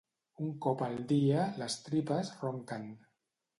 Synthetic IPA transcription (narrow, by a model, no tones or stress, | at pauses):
uŋkɔpalˠd̪ialəst̪ɾipəzroŋkan